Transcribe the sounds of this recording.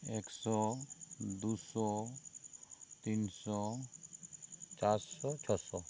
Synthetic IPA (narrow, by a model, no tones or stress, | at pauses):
eksɔ | d̪usɔ | t̪insɔ | t͡ʃaɾssɔt͡ʃʰɔsɔ